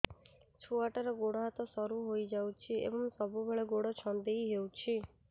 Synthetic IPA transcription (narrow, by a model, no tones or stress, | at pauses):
t͡ʃʰuaʈaɾɔɡoɽɔɦat̪ɔsɔɾuɦojd͡ʒawt͡ʃʰiḛbɔŋsɔbubʱeɭeɡoɽɔt͡ʃʰɔnd̪ejɦewt͡ʃʰi